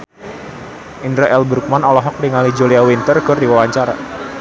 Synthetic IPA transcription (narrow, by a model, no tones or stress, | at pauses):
ʔindɾaʔɛlbɾuk̚manɔlɔɦɔk̚diŋalid͡ʒoliawint̪ərkɨrdiwawaɲt͡ʃaɾa̰